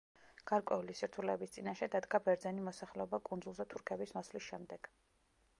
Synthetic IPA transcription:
ɡ̥aɾkʼwɛulisiɾt̪ʰulɛbist̪sʼinaʃɛd̪ad̪ɡabɛɾd̪zɛnimɔsaχlɛɔbakʼund̪zulˠzɛt̪ʰuɾkʰɛbismɔslisʃɛmd̪ɛɡ̥

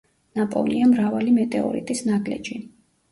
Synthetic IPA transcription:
napʼɔ̰niamɾavalimɛt̪ʼɛɔ̰ɾḭt̪ʼisnaɡlɛ̰d͡ʒi

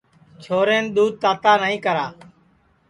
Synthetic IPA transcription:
t͡ʃʰoːɾeːnɗ̪uːd̪̚t̪aːt̪aːnəĩːkəɾaː

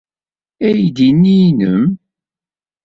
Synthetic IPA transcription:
æjd̪inːinəm

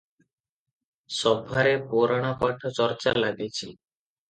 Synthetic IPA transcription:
ʃɔbʱːaɾepoɾaɽ̃apaʈʰot͡ɕɔɾt͡ɕalaɡet͡ɕʰi

